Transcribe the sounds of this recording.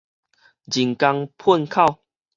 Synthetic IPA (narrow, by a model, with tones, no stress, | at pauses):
d͡ʑi˨˩ŋka˧ŋpʰu˥˨nkʰa˥˧˨w